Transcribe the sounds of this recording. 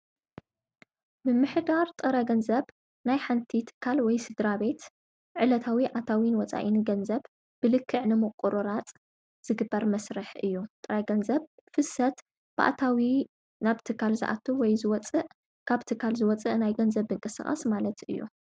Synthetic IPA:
bɨmɨħd̪aɾt̪ʼɨɾɐɡɐnzɐβ | najħant̪ʰit̪ʰɨ̥kʰːalwɔjsɨd̪ɾabe̞t̪ | ʕɨlɐt̪ʰawiʕat̪ʰawinwɔt͡sʼa̰ʔinɡɐnzɐβ | b̥ɨlɨkʰːɨʕnɨmɨqʼuɾuɾat͡sʼ | z̥ɨɡɨbːɐɾmɐsɾɨħʔɨjːut̪ʼɨɾɐɡɐnzɐβ | fɨsɐt̪ | b̥a̰ʔt̪ʰawi | naβt̪ʰɨkʰːalzɨ̰ʔa̰t̪ʰuwɔjzɨwɔt͡sʼɨʔ | kʰaβt̪ʰɨkʰːalzɨwɔt͡sʼɨʔnajɡɐnzɐβɨŋkʼɨsɨ̰χʼɐ̰smalɐt̪ʔɨjːṵ

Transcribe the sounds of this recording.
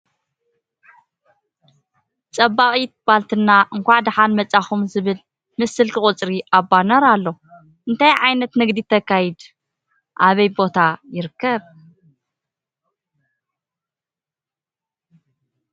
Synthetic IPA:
t͡sʼɐbːaχʼit̪̚b̥alt̪ʰɨnːaʔɨŋkʷaʕd̪ɨħalmɐt͡sʼːaxumzɨβɨl | mɨsːɨlkʰɨχʼʊt͡sʼɾiʔabːanɐɾalːo̞ | ʔɨnt̪ʰajʕajnɐt̪nɨɡd̪it̪ʰɐkːajid̪ | ʔaβɐjbo̞t̪ʰajɪɾɨkːɐβ

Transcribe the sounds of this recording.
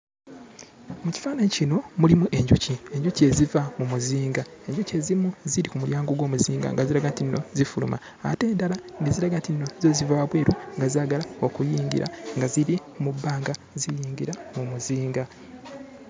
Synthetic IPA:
muci̥faːnecino̞mulimuʔe̞ɲɟucie̞ɲɟuce̞zivamumuziːŋɡae̞ɲɟuce̞zimuziɾikumuljaːŋɡoɡwo̞ːmuziːŋɡa̰ŋɡaziɾaɡantinːo̞̰zifulṵmʔa̰ːte̞ːndalandeziɾaɡantinːo̞zozivaβwe̞ːɾuŋɡazaːɡalao̞kujiːŋɡḭɾa̰ŋɡaziɾikumubːaːŋɡa | zijiːŋɡiɾamumuziːŋɡa

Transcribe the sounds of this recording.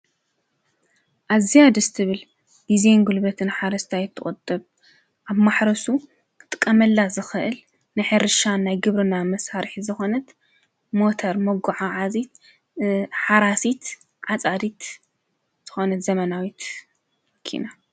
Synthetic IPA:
ʔazijad̪ɨst̪ʰɨβɨl | d̪̥izenɡulbɐt̪ʰɨnħaɾɐst̪ʰajɛt̪ʰːɨχʼɐt̪ʼːɨβ | ʔaβmaħɾɐsu | t̪ʼɨ̥kʼːɐmɐlːazɨxɨʔɨl | nɨjħeɾɨʃannajɡɨβɾɨnamɐsaɾħizɨxo̞nɐt̪ | mo̞t̪ʰɐɾmɐɡuʕaʕazit̪ | ħaɾasit̪ | ʕat͡sʼad̪it̪ | z̥ɨxo̞nɐt̪zɐmɐnawit̪ | mɐkʰːḭna

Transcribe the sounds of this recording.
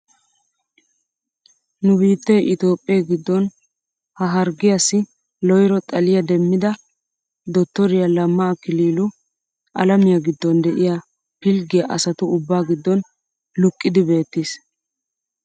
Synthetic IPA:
nʊbiːt̪ːɛjʔɪt̪o̞ːpʼːɪjaɡɪd̪ːɔn | hɐɦɐɾɡɪjɐsːɪ | lɔjɾɔt̪ʼɐlɪjɐd̪ɛmːɪd̪ɐ | d̪ɔt̪ːɔɾɪjɐlɐmːɐːkɪliːlʊ | ʔɐ̰lɐmɪjɐɡɪd̪ːɔnd̪ɛʔɪja | pɪlɡɪjɐʔɐsɐt̪ʊʊbːaːɡɪd̪ːɔn | lʊkʼːɪd̪ɪbe̞ːt̪ːiːs

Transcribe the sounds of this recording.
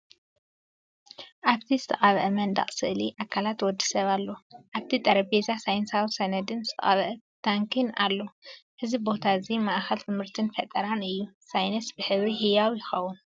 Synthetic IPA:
ʔaβt̪ʰizɨt̪ʰɐχʼaβʔɨmɐnd̪a̰χʼsɨʔliʔakʰalat̪wɔd̪ːi̥sɐβalːo̞ʔaβt̪ʰit̪ʼɐɾɐbezasajnsawisɐnɐd̪ɨnzɨt̪ʰɐχʼaβʔɨ | t̪ʰaŋkʰina̰lːo̞ʔɨzibo̞t̪ʰazimaʔxɐlt̪ʰɨmhɨɾt̪ʰɨnfɐt̪ʼɐɾanɨjːu | sajnɐsbɨħɨβɾiɦijawjɪxɐwːun

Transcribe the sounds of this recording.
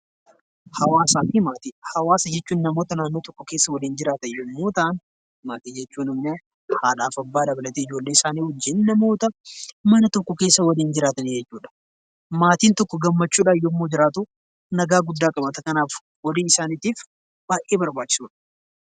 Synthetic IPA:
hɐwaːsaːfimaːt̪ihɐwaːsɐd͡ʒɛt͡ʃːuːnnɐmo̞ːt̪ɐnaːnːoːt̪ɔkːɔke̞ːsːɐwɐliːnd͡ʒɪɾaːt̪ɐjɔmmːo̞ːt̪ɐn | maːt̪iːd͡ʒɛt͡ʃːuːnɪmne | haːᶑaːfɐbːaːd̪ɐbɐlɐt̪eɪd͡ʒoːlːeːɪsaːniːhʊd͡ʒːɪnnɐmo̞ːt̪ɐmɐnɐt̪ɔkːɔkeːsːɐwɐliːnd͡ʒɪɾaːt̪ɐnɪd͡ʒɛt͡ʃːuːᶑɐ̥ | maːt̪iːnt̪ɔkːɔɡɐmːɐt͡ʃːuːᶑajɔmːoːd͡ʒɪɾaːt̪ʊ | nɐɡaːɡʊd̪ːaːkʼɐbɐt̪ɐkɐnaːf | wɐliːɪsaːniːt̪iːf | b̥aːjʔeːbɐɾbaːt͡ʃːɪ̥suːᶑɐ̥

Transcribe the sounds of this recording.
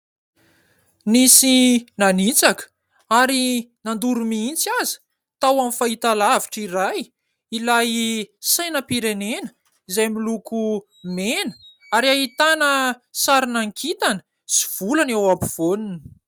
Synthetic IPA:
nisinanit͡sakə̥ | aɾinand̪uɾumiint͡sazi̥ | t̪awamifait̪alaviʈ͡ʂiɾaj | ilajsajnəpiɾenenə̥ | izajmiluku | menə̥ | aɾaɦit̪anəsaɾinaŋkʰit̪anə̥ | si̥v̥ulanewapiv̥onini

